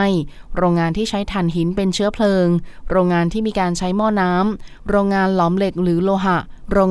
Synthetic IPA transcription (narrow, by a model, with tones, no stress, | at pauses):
j | ɾoː˧ŋːaː˧nt̪ʰiː˥˩t͡ɕʰa˦˥jt̪ʰa˨˩nɦi˩˦npe˧nt͡ɕʰɯ˦˥ɐpʰlɤː˧ŋɾoː˧ŋːaː˧nt̪ʰiː˥˩miː˧kaː˧nt͡ɕʰa˦˥jmɔː˥˩naː˦˥m | ɾoː˧ŋːaː˧nlɔː˩˦mle˨˩k̚ɾɯː˩˦loː˧ɦa˨˩ʔ | ɾoː˧ŋ